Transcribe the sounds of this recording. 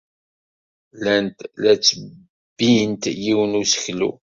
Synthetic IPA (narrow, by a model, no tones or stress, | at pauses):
lænt̪læt͡sːə | bːijənt̪jiwənusə̥çlṵ